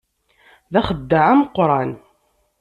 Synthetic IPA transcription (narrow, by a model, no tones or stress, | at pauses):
ðæχəd̪ːaʕaməqːɾˤɑn